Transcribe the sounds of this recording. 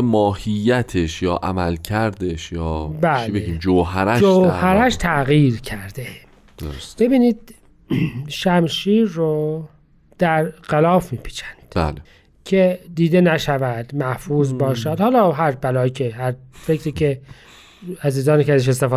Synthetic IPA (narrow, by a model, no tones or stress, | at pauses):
mɒːhijːæt̪ʰeʃjɒːʔæ̰mælcʰæɾd̪eʃjɒːbæibeɡiːmd͡ʒoɦæɾæʃd͡ʒohæɾæʃt̪ʰæɣiːɾcʰæɾd̪e | d̪̥oosb̥e̞biːniːd̪̥̚ | ʃæmʃiːɾːo | d̪̥æɾɢ̥ælɒːfmiːpʰi̥ːt͡ʃʰæ̥nd̪̥bæ̰le | cʰe̞d̪iːd̪enæʃævæd̪̥mæhfuːzbɒːʃæd̪̥hɒːlɒːɦæɾbælɒːjiːcʰeɦæɾfecɾiːcʰe | æziːzɒːniːkæzæʃest̪efɒː